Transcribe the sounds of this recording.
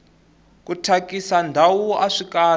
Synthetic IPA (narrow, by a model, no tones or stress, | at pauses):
kutʰakisandʱawuaʂikaː